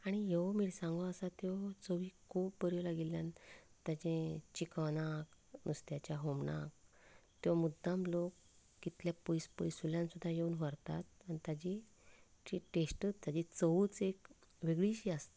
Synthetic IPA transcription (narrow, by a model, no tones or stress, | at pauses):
aɽ̃ijeʋmiːɽsãŋɡɔasat̪jɔt͡səʋiːkʰuːbbəɾjolaɡiljant̪jat͡ɕẽt͡ɕikəʋnaknust̪jat͡ɕjaɦomɳa̰k̚ | t̪jɔmud̪ʱːamlokː | it̪ljapojspəjsuljãnsud̪ʱːajeunʋəɾt̪at̪̚anit̪jad͡ʑi | t͡ɕiʈesʈət͡sd͡zad͡ʑit͡səuːt͡sek | ʋeɡɭiɕiast̪